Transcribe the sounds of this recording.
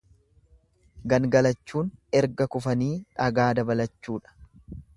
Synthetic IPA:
ɡɐnɡɐlɐt͡ʃːuːnɛɾɡɐkʊfɐniːᶑɐɡaːd̪ɐbɐlɐt͡ʃːuːᶑɐ̥

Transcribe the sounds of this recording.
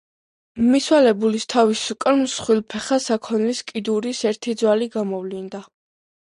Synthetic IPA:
miswalɛbulist̪ʰavisukʼɾmsχwilˠpʰɛχasakʰɔnliskʼid̪uɾisɛɾt̪ʰid̪zwaliɡamɔvlind̪a

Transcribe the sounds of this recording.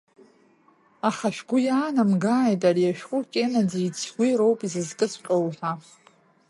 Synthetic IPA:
aχaʃᶣɡʷʊjaːnamɡaːjtʼarijaʃᶣχʷʼʊkʲʼenad͡zait͡sʰɡʷiɾowpʼizɨzkʼɨsqʲʼowħʷa

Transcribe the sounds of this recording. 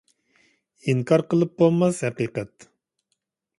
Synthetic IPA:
iŋkʰɑɾqəlˠɨp̚bolˠmɑshɛqiqɛt̪

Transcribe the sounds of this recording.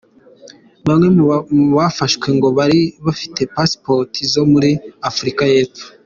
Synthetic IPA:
βamŋe̞βafaʃkwe̞ŋɡo̞βaɾiβafi̥tʰe̞paspotʰizo̞muɾiafuɾikaje̞ːp͡fu̥

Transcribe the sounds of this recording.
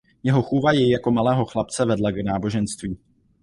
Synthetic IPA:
jɛɦo̞xuvajɛjako̞malɛːɦo̞xlapt͡sɛvɛdlaɡnaːboʒɛnst̪viː

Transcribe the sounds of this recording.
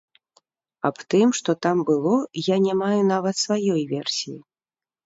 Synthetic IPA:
ɐpt̪ɨmʂt̪ɔt̪ambɨlˠɔjanʲamajunavɐt̪svajɔjvʲɛrsʲijḭ

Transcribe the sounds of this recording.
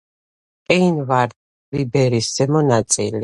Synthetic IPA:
kʼɛinvaɾd̪̚ | libɛɾisz̥ɛmɔnat̪sʼili

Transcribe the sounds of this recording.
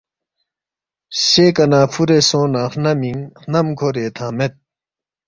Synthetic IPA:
ɕekanaːpʰuɾesõnãχnamiŋxnamkʰoɾeːt̪ʰãmet̪̚

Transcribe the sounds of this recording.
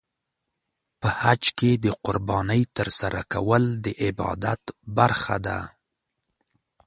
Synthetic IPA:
pəhad͡ʒked̪əqʊɾbɑnəjt̪əɾsaɾakawəld̪əʔɪbɑ̰d̪at̪baɾxad̪a̰

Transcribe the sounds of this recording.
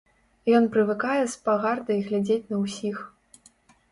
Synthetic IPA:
jɔnpɾɨvɨkajɛspaɣard̪ɐiɣlʲad͡zʲet͡sʲnɐwsʲix

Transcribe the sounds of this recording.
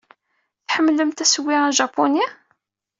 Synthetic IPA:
θħəmːləmt̪æsəwiɾaʒɑpːoni

